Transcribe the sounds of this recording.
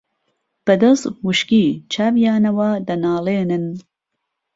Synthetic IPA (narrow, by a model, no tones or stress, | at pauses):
b̥ɐd̪ɐzwuʃkiːt͡ʃʰaːvijaːnɐwaːd̪ɐnaːleːnɨn